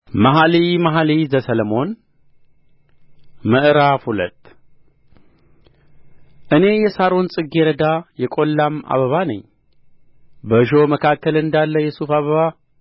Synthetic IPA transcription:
maɦalimaɦalizəsələmo̞n | məʔɾafhulə̰t̪ʼː | ʔɨne̞jɛsaɾonsʼɨɡeɾəd̪ajɛkʼo̞lːama̰βəβanə̰ɲː | bəʒo̞məkʰakːəlɨnd̪alːəjɛsufaβəβa

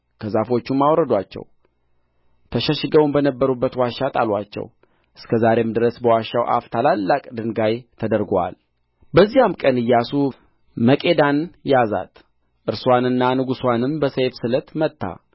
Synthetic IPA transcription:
kʰəzafo̞t͡ʃːumːawɾəd̪wat͡ʃːɛ̰w | t̪ʰəʃəʃɨɡəwunbənəbːəɾubːət̪waʃːat̪ʼalwat͡ʃːɛ̰w | ʔɨskʰəzaɾe̞md̪ɨɾəsbəwaʃːawʔa̰ft̪ʰalalːakʼd̪ɨnɡajt̪ʰəd̪əɾɡa̰l | bəzːijamkʼənɨjːasu | məkʼe̞d̪anjaza̰t̪ | ʔɨɾswanɨnːanɨɡuswanɨmbəsejfsɨlət̪mət̪ʰːa̰

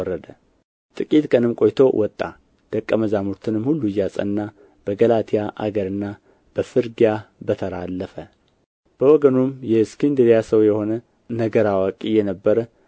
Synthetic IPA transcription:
rəd̪ə | t̪ʼɨkʼit̪kʼənɨmkʼo̞jt̪ʰo̞wʔɔt̪ʼːa̰ | d̪̥əkʼːəməzamuɾt̪ʰɨnɨmhulːujasʼə̰nːa | b̥əɡəlat̪ʰijaʔa̰ɡəɾɨnːa | b̥əfɨɾɡijabət̪ʰəɾalːəfə | b̥əwɔɡənumjɛskʰind̪ɨɾjasəwjɛho̞nə | nəɡəɾawakʼijɛnəbːəɾə

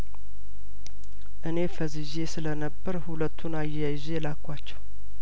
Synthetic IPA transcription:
ʔɨne̞fəzɨʒe̞sɨlənəbːəɾhulət̪ʰːunajajʒelakːʷat͡ʃːɛw

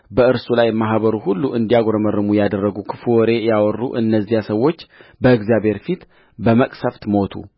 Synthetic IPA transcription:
bəɨɾsulajmaɦβəɾuhulːuʔɨnd̪ijaɡoɾəmərːɨmujad̪ərːəɡukʰɨfuwɔɾe̞jawɔrːṵʔɨnːəzːijasəwːo̞t͡ʃːbəɨɡzijabhe̞ɾfit̪ | bəməkʼsəft̪mo̞t̪ʰṵ

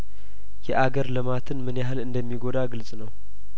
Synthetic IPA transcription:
jɛʔaɡəɾlɨmat̪ʰɨnmɨnjaɦɨlɨnd̪əmːiɡo̞d̪aɡɨlsʼnəw

